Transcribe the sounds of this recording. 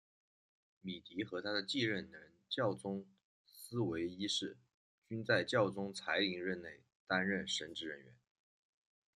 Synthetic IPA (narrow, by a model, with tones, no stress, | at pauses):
mi˨˩t̪i˧˥xɤ˧˥t̪ʰa˥d̪ə˨t͡ɕi˥˧ɻə˥˩nəə˧˥nt͡ɕjɑ˥˩ʊt͡sʊ˥ŋ | sɹ̩˥we˧˥ɪi˥ʂɻ̩˥˩ | t͡ɕy˥nt͡sa˥˧ɪt͡ɕjɑ˥˩ʊt͡sʊ˥ŋt͡sʰa˧˥ɪli˧˥ŋɻə˥˧nne˥˩ɪ | t̪a˥nɻə˥˩nʂə˧˥nʈ͡ʂɻ̩˥˩ɻə˧˥nɥɛ̰˧˥n